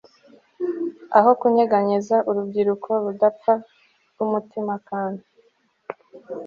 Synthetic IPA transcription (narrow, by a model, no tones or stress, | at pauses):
a̰ɦo̞kuɲeɡaɲizaʔuɾubɡiɾukʰo̞ɾudap͡fa | ɡumutimakaːndi